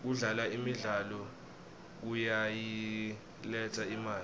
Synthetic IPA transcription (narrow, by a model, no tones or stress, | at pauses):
k̬uɮalaimiɮalɔ | k̬ujaji | lɛtʰaimaːli